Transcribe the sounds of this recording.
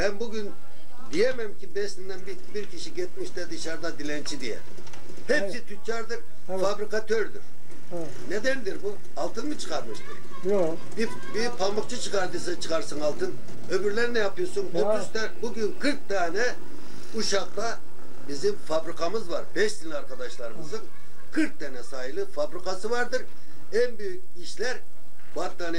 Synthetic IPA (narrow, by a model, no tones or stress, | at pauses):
bænbuɡyn | d̪ijɛmɛmcʲʰibɛʃt̪ind̪ɛnbi | biɾcʰiʃiɟɛt̪̚miʃt̪ɛd̪ɯʃaɾd̪ad̪ilʲɛnt͡ʃʰid̪ijɛ̰ | hɛpsit̪ʰyt͡ʃʰaɾd̪ɯɾ | fabɾikat̪ʰøɾd̪y̰ɾ̥ | ned̪ænd̪iɾbu | ɑlˠt̪ʰɯnbit͡ʃʰɯ̥qaɾmɯʃt̪ʰɯɾ̥ | bi | bipʰambɯkt͡ʃʰɯt͡ʃʰɯkaɾd̪ɯsɯt͡ʃʰɯ̥kaɾsɯnɑlˠt̪ʰɯn | øbyɾlʲɛɾnɛjapʰɯjosunot̪uzt̪ɛbuɡʲynkʰɯɾk̚t̪aːnɛ | uʃɑq̚t̪a | bizimfabɾikʰamɯzvaɾbɛʃd̪inlʲiaɾkʰad̪ɑʃlˠɑɾɯmɯzɯn | kʰɯɾk̚t̪ʰɛnɛsaːjɯlˠɯfabɾikasɯvɑɾd̪ɯɾ | ɛnbyjykʲiʃlʲɛɾ | bat̪d̪anɛ